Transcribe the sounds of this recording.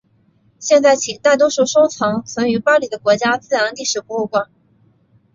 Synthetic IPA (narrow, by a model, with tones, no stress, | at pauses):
ɕjɛ˥˧nt͡sa˥˩ɪt͡ɕʰi˨˩t̪a˥˩t̪̬ɔ˥ʂu˥˩ʂo˥ʊt͡sʰɑ˧˥ŋt͡sʰwə˧˥ny˧˥pɑ˥li˧˩d̪ə˦kwɔ˧˥t͡ɕja˥t͡sɹ̩˥˩a˧˥nt̪i˥˩ʂɻ̩˨˩pu˧˥u˥˩kwa˥˩n